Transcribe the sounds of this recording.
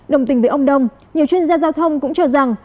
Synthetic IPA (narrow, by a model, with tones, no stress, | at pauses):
ɗə˨˩wŋ͡mt̪ï˨˩ŋvi˨˦ʔə˧ŋ͡mɗə˧wŋ͡m | ɲi˨˩əwt͡ɕwi˧ənzaː˧zaː˧wt̪ʰə˧wŋ͡mkʊ̰˧˥ŋ͡mt͡ɕɔ˧za˨˩ŋ